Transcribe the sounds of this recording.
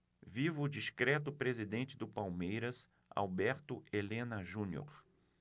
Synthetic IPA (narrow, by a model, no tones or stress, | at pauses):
vivʊːd͡ʒiskɾɛt̪̬ʊpɾezid̪ẽnt͡ʃɪd̪ʊpawmejɾɐs | a̰wbɛɾt̪ʊelẽnɐʒũnjo̰ɾ